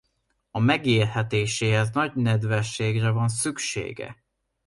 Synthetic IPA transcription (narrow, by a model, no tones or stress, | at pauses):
ɒmɛɡiːrhɛt̪eːʃeːɦɛznɒɟnɛd̪vɛʃːeːɡrɛvɒnsykʃḛːɡɛ̰